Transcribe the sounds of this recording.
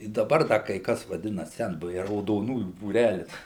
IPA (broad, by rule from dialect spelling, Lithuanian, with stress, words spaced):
ɪ dɐˈbɐr ˈdɐ kɐɪ ˈkɐs ʋɐˈdʲɪnɐ ˈsʲɛnbʊʋʲɛɪ rɐʊdoːˈnuːjuː buːˈrʲælʲɪs